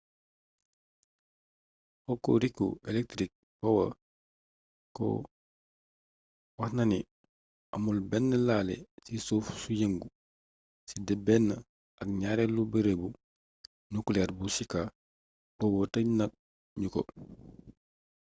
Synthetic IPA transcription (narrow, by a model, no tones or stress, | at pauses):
kɔkːɔ̰ɾikːṵelɛk̚tɾik̚ | pɔwɐ̰ | kɔ̰ | wɐhnɐni | ɐmulbɛnːəlaːlɛ̰sisoːfsujeŋɡu | sidɛbɛnːɐ | ɐk̚ɲaːɾɛlːubeɾebu | nukulɛɾbusika | kɔwotɐnɐk̚ | ɲukɔ̰